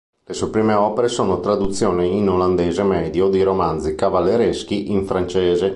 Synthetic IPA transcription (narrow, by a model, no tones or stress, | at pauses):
lesuepɾiːmeɔːpeɾesoːnot̪ɾad̪ut̪sːjoːniinoland̪eːzemɛːd̪jod̪iɾomand̪zikavalːeɾeskiʔiɱfɾant͡ʃeːze